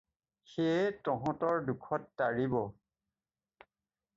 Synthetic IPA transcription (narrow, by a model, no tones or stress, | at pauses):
xetɔɦɔ̃tɔɹdukʰɔtːaɹibɔ